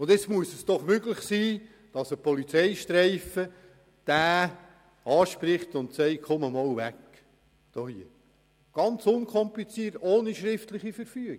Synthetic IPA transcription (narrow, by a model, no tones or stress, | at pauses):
ʊndɛt͡smuəsɛsd̥ɔχmøɡlɪχsiː | d̥ɑsəpʰɔlit͡sɛɪʃtɾɛɪfə | d̥æː | ɑːʃpɾɪχtʊntsɛɪkʰɔməmɔːlʋæk | d̥ohiə | ɡ̥ɑnt͡sʊnkʰɔmplit͡siːtoːniʃɾɪftlɪχifəɾfyːɡ